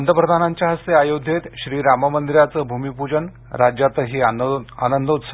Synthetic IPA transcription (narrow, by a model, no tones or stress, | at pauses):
nd̪ʱəpɾəd̪ʱanaɲt͡ɕaɦəseajod̪ʱet̪ɕɾiːɾaməmənd̪iɾjat͡səːbʱumipud͡ʑən | ɾad͡ʑjat̪əɦiːa̰nənd̪ʱut̪s